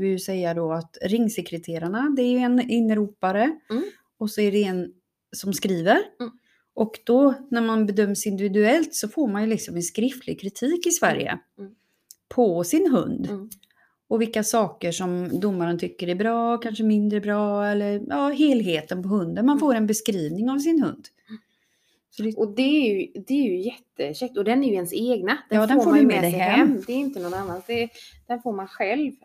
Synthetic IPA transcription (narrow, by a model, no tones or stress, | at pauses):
vɪjɵsɛjːad̪ɔat̪ɾɪŋːsɛkɾət̪ʰeːɾaɳad̪ɛæɾjɵɛnɪnːəɾuːpaɾə | ɔsɔæɖɛɛn | sɔmskɾiːvəɾ | ʔɔkd̪̥ɔnæɾmanbɛd̪œmːsɪnd̪ɪvɪd̪ʉɛlt̪sɔfoːɾmanjɵlɪksɔmɛnskɾɪft̪ʰlɪɡ̚kʰɾɪt̪ʰiːkɪsvæ̰ɾjə̰ | pʰɔsɪnɦɵ̰nd̪ | ɔvɪlkːasɑːkəʂɔmd̪ʊmːaɾənt̪ʰʏkːəɾæɾbɾɑːkʰanʂəmɪnd̪ɾəbɾɑːɛlːəɾjɑːɦeːlɦeːt̪ənpɔhɵnd̪ənmanfoːɾɛnbɛskɾiːvnɪŋavs̬ɪnɦɵ̰nd̪ | sɔd̪ɛʔɔd̪ɛːɾjɵd̪ɛːɾjɵjɛt̪ːəɕɛk̚t̪ɔd̪ɛnæɾjʏɛnseːɡnad̪̥ɛɑːd̪ɛnːfoːmaamed̪ɛhɛɛmd̪ɛɾjʏnt̪ənɔnanːand̪ɛd̪̥ɛnfoːɾmanɧɛlv